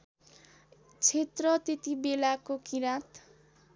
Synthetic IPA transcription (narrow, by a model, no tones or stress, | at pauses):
t͡sʰet̪rʌt̪et̪ibelakokiɾat̪